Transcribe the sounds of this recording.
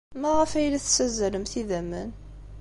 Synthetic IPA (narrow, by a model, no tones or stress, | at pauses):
mæʁəfæjlæθsæzæləmθiðæmːən